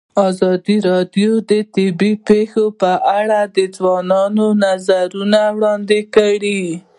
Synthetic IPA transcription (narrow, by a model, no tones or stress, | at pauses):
ɑzɑd̪iɾɑdjod̪ət̪ɪbipexopəʔaɽad̪əzwɑnɑnonazaɾunawɽɑnd̪ɪkəɽi